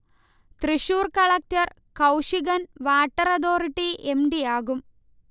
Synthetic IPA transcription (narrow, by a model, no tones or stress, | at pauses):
t̪riɕuːrkɐɭɐk̚tɐr | kɐwʂiɣɐnʋaːʈːɐrɐd̪o̞ːriʈːiemɖijaːɣum